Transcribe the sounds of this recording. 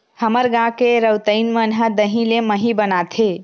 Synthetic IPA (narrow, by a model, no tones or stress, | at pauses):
həməɾɡãkeɾəwt̪əɪnmənɦəd̪əɦĩleməɦibənat̪ʰe